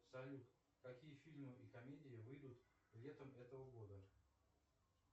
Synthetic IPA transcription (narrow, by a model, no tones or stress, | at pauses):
sɐlʲuk̪ | kɐkʲijəfʲilʲmɨʔikɐmʲedʲɪjɪvɨjd̪ut̪ | lʲet̪əmɛt̪əvəɡo̞d̪ə